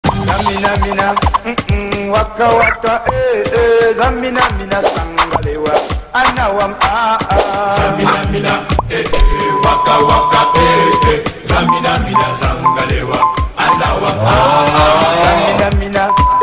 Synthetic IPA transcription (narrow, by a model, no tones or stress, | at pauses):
naminaminam̩wakːawakaʔeezamːinaminasaŋɡalewaanawamaazainaminaewakːawakːaeezaminaminasaŋɡalewaanawamaazaminamina